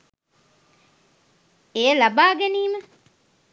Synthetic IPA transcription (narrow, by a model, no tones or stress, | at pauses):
ejəlabaːɡeniːmə